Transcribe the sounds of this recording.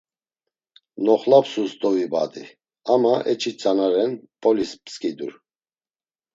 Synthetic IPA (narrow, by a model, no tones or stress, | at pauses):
nɔχlapsust̪ʼɔviba̰d̪ḭ | amaʔɛt͡ʃʰʼit͡sʼanaɾɛnpʼɔlispskʼid̪uɾ